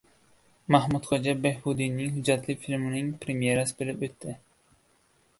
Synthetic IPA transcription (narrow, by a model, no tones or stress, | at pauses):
mahmud̪χʰod͡ʒɑbehbud̪inːɪŋhʊd͡ʒɑt̪lɪfilmɪnɪŋpʰɾemjeɾasɪbɪlɪpøt̪ʰːɪ